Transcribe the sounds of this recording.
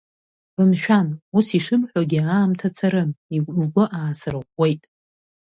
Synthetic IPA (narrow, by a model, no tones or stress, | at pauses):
ɨmʃᶣanusiʂɨbħʷaɡʲiaːmtʰat͡sʰaɾɨmiɡʷɨʔaːsɨrɨʁʷe̞jtʼ